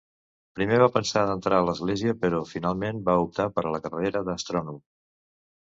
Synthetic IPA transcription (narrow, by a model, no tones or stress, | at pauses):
pɾimeβapənsaðənt̪ɾʔaələzɣleziəpəɾɔfinalˠmenbaup̚t̪apəɾələkərəeɾəðəst̪ɾɔnum